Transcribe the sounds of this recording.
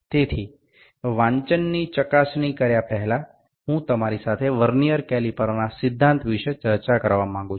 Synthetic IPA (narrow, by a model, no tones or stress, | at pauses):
t̪et̪ʰi | ʋãɲt͡ʃənːit͡ʃəkasɳikəɾjapɛɦɛla | ɦũt̪əmaɾisat̪ʰeʋəɾnijəɾkɛlipəɾnasɪd̪ʱːãnt̪ʋiʃət͡ʃəɾt͡ʃakəɾʋamãŋɡũt͡ʃʰ